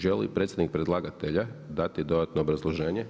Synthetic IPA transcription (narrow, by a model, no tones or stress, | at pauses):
ʒelḭpɾet̪sʲed̪nik̚pɾed̪lˠaːɡat̪eʎad̪at̪id̪o̞d̪at̪noːbɾazlˠoʒe̞ːɲe